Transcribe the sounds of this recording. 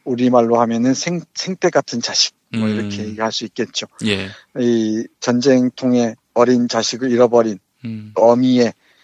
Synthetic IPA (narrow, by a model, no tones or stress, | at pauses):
uɾimaɭːohamjʌnɯnsʰeŋsʰeŋtʰe̞ɡatʰɯnt͡ɕaɕʰi̥k̚mʌiɾʌkʰeɡihaɭs͈uik͈̚e̞t̚t͡ɕ͈oj | it͡ɕʌnd͡ʑeŋtʰoŋe̞ | ʌɾint͡ɕaɕʰiɡɯɭiɾʌbʌɾin | ʌmie̞